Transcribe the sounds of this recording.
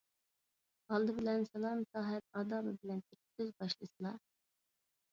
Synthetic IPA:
ʁɑlˠd̪ɨbɪlɛnsɛlˠɑmsɑːɦɛp̚ɑːd̪ɑːbɨbɪlɛnt̪ʰek̚ʲsøzbɑʃlˠɨsɨlˠɑ

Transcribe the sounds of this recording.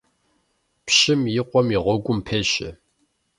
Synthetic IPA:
pɕɪmjɪqʷʼɔmiʁʷɔɡʷʼʊmpʰeːɕɪ̰

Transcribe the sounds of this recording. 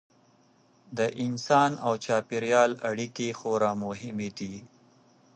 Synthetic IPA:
d̪əʔɪnsɑːnawt͡ʃɑːpiɾjɑːlaɽikexoɾamʊɦɪmed̪i

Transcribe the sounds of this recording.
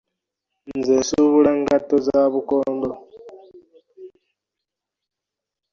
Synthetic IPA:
nzesuβuɺaŋɡatːozaːβukoːndo

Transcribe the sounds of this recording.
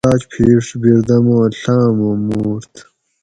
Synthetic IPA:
aːt͡ɕpʰeːʂbiɾd̪ɐmõɬaːmomuːɾt̪

